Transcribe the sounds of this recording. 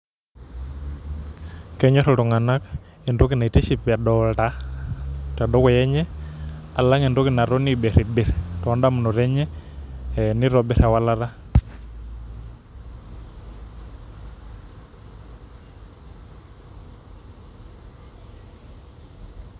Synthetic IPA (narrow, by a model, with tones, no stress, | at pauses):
kɛɲɔ˦ɾɔtɔ˨ŋa˨na˦k | e˨ndo˦ki˨na˨i˨ti˦si˦pa˨dɔta˦ | ta˨dɔ˦kɔ˨jɛ˦ɲɛ˦a˨la˦ŋe˨ndo˦kɪna˨ɾɔ˦nibe˨ɾe˨be˨ɾtɔ˨ɔ˦nda˦mnɔ˨ɾɛ˦ɲɛ˦ | niɾɔbi˨ɾa˨wa˦la˦ɾa˦